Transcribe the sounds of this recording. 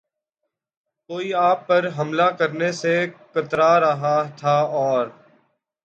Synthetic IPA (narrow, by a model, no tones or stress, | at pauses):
koːiːaːpːəɾɦəmlakəɾnesekət̪ɾaɾəɦat̪ʰaːɔːɾ